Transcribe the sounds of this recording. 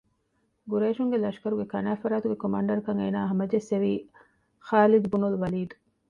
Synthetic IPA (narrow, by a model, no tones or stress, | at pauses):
ɡuɾeːʃuŋɡelɐʃkɐɾuɡekɐnæːfɐɾaːt̪uɡekomaːɳɖɐɾɐkɐŋeːnaːɦɐmɐd͡ʒesːeʋiː | xaːlid̪ubunuluʋɐliːd̪u